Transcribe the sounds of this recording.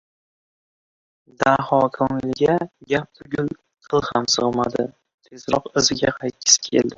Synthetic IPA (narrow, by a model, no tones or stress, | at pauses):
d̪ahɒkʰɒnllɪɡʲaɡʲap̚t̪ʰʊɡʲʊl | qʰɨlˠhamsɨʁma̰d̪ɪ | t̪ʰe̞zɾɒqɪzɪɡʲaqʰajkʲʰːɪ̥skʲʰḛld̪ɪ